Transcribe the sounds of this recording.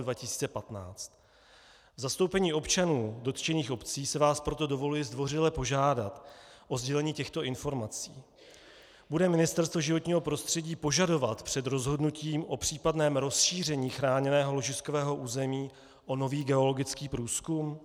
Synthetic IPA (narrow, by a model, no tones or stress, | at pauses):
dvacɪsi̥ːt͡sɛpat̪na̰ːt͡st̪ | vzast̪owpɛɲiːo̞pt͡ʃanuːdo̞t̪t͡ʃɛniːxʔo̞pt͡siːsɛvaːspɾo̞t̪o̞do̞vo̞lujɪzdvo̞rɪlɛpo̞ʒaːdat̪ʔo̞zɟɛlɛɲiːcɛxt̪o̞ʔɪnfo̞ɾmat͡sḭː | budɛmɪnɪst̪ɛɾst̪voʒɪvo̞t̪ɲiːɦo̞pɾo̞st̪r̥ɛɟiːpo̞ʒado̞vat̪pr̝̥ɛd̪ɾo̞zɦo̞dnuciːmʔo̞pr̝̥iːpadnɛːmɾo̞sʃiːr̝ɛɲiːxɾaːɲɛnɛːɦo̞lo̞ʒɪskovɛːɦo̞ʔuːzɛmiː | ʔo̞no̞viːɡɛo̞lo̞ɡɪt͡skiːpɾuːskum